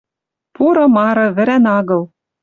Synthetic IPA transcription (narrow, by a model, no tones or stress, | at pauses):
puɾɤ̆mɑɾɤ̆βɘ̆ɾænɑɣɤ̆l